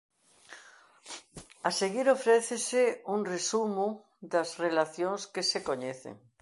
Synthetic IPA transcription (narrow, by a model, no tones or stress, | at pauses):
aseɣiɾofɾɛθeseuŋresumʊ | d̪ɐzrelaθjoŋskesekoɲeθḛŋ